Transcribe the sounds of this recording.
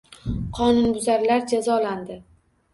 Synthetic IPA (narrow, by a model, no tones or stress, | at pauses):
qʰɒnʊnbʊzaɾlaɾd͡ʒazɒland̪ɪ